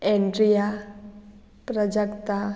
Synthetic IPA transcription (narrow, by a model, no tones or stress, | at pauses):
ɛɳɖɾija | pɾəd͡ʒakt̪a